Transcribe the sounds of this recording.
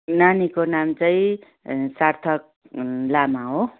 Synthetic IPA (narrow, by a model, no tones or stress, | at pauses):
nanikonamt͡saĩ | sart̪ʰʌk̚ | lamaɦo